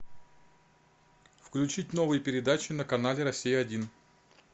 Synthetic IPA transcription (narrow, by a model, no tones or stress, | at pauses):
fklʲʉt͡ɕitʲno̞vɨjəpʲɪɾʲɪd̪at͡ɕɪnəkɐnalʲɪɾɐsʲijəɐdʲin